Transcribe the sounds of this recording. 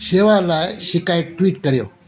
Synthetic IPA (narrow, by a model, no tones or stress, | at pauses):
ɕeʋalaɕikajʈʋiːʈkəɾjo